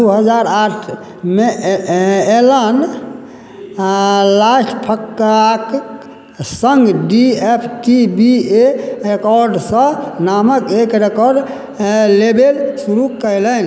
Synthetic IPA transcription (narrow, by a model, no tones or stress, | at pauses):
d̪uɦəd͡ʒaɾaʈʰ | me | elən | lasʈpʰəkːk | səŋɡɖiepʰkibieɾekɔɾɖsə̃naməkekɾekɔɾɖ | lebelsuɾukəjlən